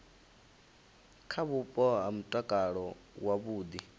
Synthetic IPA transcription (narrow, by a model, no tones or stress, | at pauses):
kʰaβupʼɔɦamutʼakʼaɺɔwaβuːd̪i